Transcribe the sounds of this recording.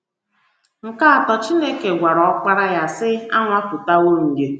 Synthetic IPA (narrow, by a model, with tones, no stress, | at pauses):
ŋ̩˨ka˦a˨tɔ˨t͡ʃi˦ne˦ke˨ɡʷa˨ɾɔ˨ɔ˦k͡pa˦ɾa˦ja˦sɪ˦a̰˦ŋʷa˦pʊ˨ta˦wo˦ŋ̩˨ɡe˦